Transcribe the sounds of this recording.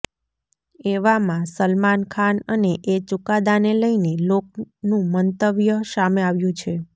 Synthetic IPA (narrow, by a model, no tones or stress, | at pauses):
eʋamãsəlmankʰanəneʔet͡ʃukad̪aneləinelok̚nũmənt̪əʋjəsameaʋjũt͡ʃʰe